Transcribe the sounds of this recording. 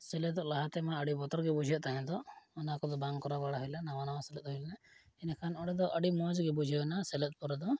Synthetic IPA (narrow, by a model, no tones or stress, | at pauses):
sɛlɛd̪ɔlaɦat̪ɛmaəɽibɔt̪ɔɾɡɛbud͡ʒʱijɔt̪aɦɛ̃d̪ɔɔnakɔd̪ɔbaŋkɔɾabaɽaɦɔjlanaʋanawasɛlɛt̪̚ɦɔjlna | ɛnɛkʰanɔɽɛd̪ɔʔəɽimɔd͡ʒɡɛbud͡ʒʱijɔnasɛlɛt̪̚ˀpɔɾɛd̪ɔ